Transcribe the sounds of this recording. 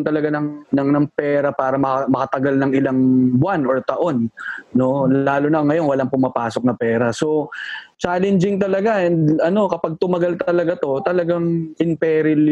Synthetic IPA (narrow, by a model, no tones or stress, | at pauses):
ŋt̪ɐlɐɡanɐŋnɐŋnɐŋpɛːɾɐpaːɾɐmɐɐmɐkɐt̪ɐɡalnɐŋɪlaŋbwanoɹt̪ɐʔo̞nːo̞laːlʊnɐʔŋːɐjo̞nwɐlaŋpʊmapaːsok̚nɐpɛːɾɐso̞t͡ʃaːlɛnd͡ʒɪŋt̪ɐlɐɡaʔɛnd̪ɐno̞kɐpaɡ̚t̪ʊmɐɡalt̪ɐlɐɡat̪o̞t̪ɐlɐɡaŋʔɪnpɛːɾɪl